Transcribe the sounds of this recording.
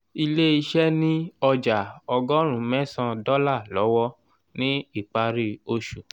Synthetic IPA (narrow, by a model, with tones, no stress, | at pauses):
i˧le˦i˧ʃɛ˦nĩ˦ɔ˧d͡ʒa˨ɔ˧ɡɔ˦ɾ̃ũ˨mɛ̃˦sã˧dɔ˦la˦˨lɔ̰˨˦wɔ˦ | nĩ˦i˦˨k͡pa˧ɾi˦o˧ʃu˨